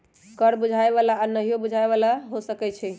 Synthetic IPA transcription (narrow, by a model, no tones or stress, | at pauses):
kəɾbud͡ʒʱaeβalaːnəɦijobud͡ʒʱaeβalaɦosəkɛt͡ʃʰɛ